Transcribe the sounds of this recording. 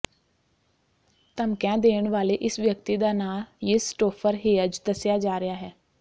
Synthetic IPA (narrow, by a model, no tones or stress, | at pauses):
t̪əmkãːd̪eːəɳʋaːleːʔɪsʋjək̚t̪iːd̪aːnaːljɪsʈoːpʰəɾɦeːəd͡ʒd̪əsjaːd͡ʒaːɾɪjaːɦɛː